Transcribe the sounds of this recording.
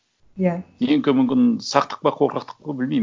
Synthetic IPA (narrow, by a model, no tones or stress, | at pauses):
jajeŋkʲɪmʏmkʲɪnsɑqt̪ə̥q̚bɑqʰoɾqɑqt̪ə̥q̚bɑbɪlmejm